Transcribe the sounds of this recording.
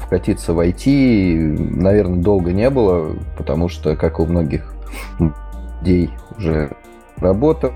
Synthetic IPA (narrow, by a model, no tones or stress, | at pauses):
fkɐtʲit̪səvɐjtʲʰi | nɐvʲe̞rnəd̪o̞lˠɡənʲe̞bɨlˠəpət̪ɐmuʂt̪okakʊmno̞ɡʲɪx | dʲejʊʐɛ | rɐbo̞t̪ə